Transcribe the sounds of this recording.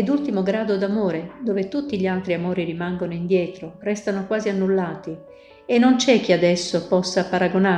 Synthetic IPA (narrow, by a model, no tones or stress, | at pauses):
ed̪ult̪imoɡɾaːd̪od̪amoːɾed̪oːvet̪ut̪ːiʎialt̪ɾiamoːɾirimaŋɡonoind̪jɛːt̪ɾorɛst̪anokwaːzianːulːaːt̪i | enːont͡ʃɛk̟ːiad̪ɛsːopɔsːapaɾaɡona